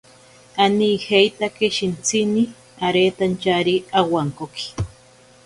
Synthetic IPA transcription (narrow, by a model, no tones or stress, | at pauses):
anihejt̪akeʃint͡sʰini | aɾet̪ant͡ʃaɾiawaŋkoki̥